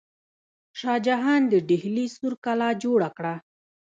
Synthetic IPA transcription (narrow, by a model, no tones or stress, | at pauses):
ʃɑd͡ʒaɦɑnd̪əɖɪhlisuɾkalɑd͡ʒoɽakɽa